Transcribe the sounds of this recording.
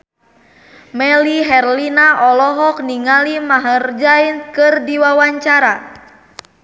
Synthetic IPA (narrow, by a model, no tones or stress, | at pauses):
mɛliɦɛrlinaʔɔlɔɦɔk̚niŋalimaɦərd͡ʒainkɨrdiwawaɲt͡ʃaɾa